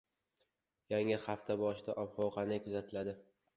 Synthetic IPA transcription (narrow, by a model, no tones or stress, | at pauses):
jaŋɪχaft̪ʰabɒʃɪd̪aʔɒbhɒwqʰɑnɪkʰɵzat̪ʰɪlad̪ɪ